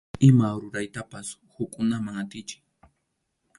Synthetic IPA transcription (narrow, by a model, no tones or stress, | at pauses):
ɪmaɾʊɾajt̪apashʊkʼʊnamaŋat̪ɪt͡ʃɪ̥k